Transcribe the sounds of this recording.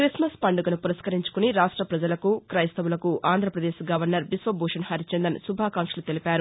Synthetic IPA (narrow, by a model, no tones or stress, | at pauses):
kɾismɐspɐɳɖuɡɐnupuɾɐskɐɾiɲt͡ʃu̥kuniɾaːʂʈɾɐpɾɐd͡ʒɐlɐkukɾɐjɐst̪ɐʋulɐkuʔʔaːnd̪ʱɾɐpɾɐd̪eːʃɡɐʋɐɾnɐɾbisʋɐbʱuːʂɐnhɐɾit͡ʃend̪ɐnsubʱaːkaːŋkʂɐlut̪elipaːɾu